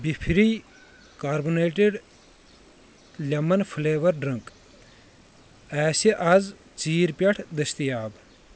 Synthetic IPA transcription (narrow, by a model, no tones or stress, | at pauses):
bipʰɾiː | kaːɾbuneːʈeɖ | lʲɐmɐnpʰuleːʋɐɾɖɾɐŋk | ɛːsiʔɐz | t͡siːɾpʲɐʈʰd̪ɐst̪ijaːb